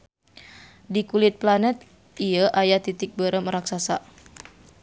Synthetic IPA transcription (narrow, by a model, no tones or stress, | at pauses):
dikulɪt̪̚planɛt̪̚ | iəʔajat̪it̪ɪk̚bəɾəmɾaksasa